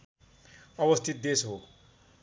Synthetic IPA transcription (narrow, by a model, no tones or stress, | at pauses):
ʌbʌst̪ʰit̪̚d̪esɦo